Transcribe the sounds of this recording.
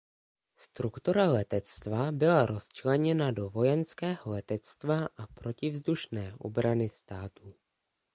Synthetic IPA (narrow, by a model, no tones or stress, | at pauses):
st̪ɾukt̪uɾalɛt̪ɛt͡st̪vabɪlaɾo̞st͡ʃlɛɲɛnado̞vo̞jɛnskɛːɦo̞lɛt̪ɛt͡st̪vaʔapɾo̞cɪvzduʃnɛːʔo̞̰bɾanɪst̪aːt̪u